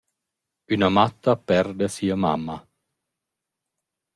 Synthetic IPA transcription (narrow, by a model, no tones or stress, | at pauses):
ynamat̪ːapɛrd̪easiːama̰mːa